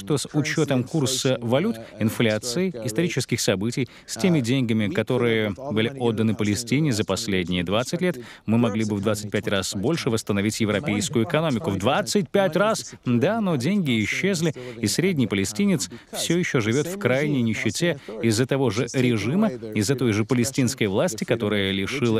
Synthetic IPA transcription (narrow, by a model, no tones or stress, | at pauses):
ʂt̪o̞sʊt͡ɕo̞t̪əmkursəvɐlʲut̪ɪnflʲat̪sɨɪɪst̪ɐɾʲit͡ɕɪskʲɪxsɐbɨtʲɪj | sʲtʲemʲɪdʲenʲɡəmʲɪkɐt̪o̞ɾɨjəbɨlʲɪo̞d̪ːənɨpəlʲɪsʲtʲinʲɪzəpɐsʲlʲedʲnʲɪjɪd̪vat̪sɨtʲlʲe̞t̪mɨmɐɡlʲibɨvd̪vat̪sɨt̚ʲpʲætʲrasbo̞lʲʂɨvəst̪ənɐvʲitʲjɪvɾɐpʲejskʊjʊɪkɐno̞mʲɪkʊvd̪vat̪sɨt̚ʲpʲætʲrasd̪ano̞dʲenʲɡʲɪːɕːezʲlʲɪɪsɾʲedʲnʲɪjpəlʲɪsʲtʲinʲɪt̪sfsʲojɪɕːoʐɨvʲo̞t̪fkɾajnʲɪjnʲɪɕːɪtʲe̞ɪzːət̪ɐvo̞ʐɨɾʲɪʐɨməɪzːət̪o̞jʐɨpəlʲɪsʲtʲinskəjvlˠasʲtʲɪkɐt̪o̞ɾɨjəlʲɪʂɨlˠə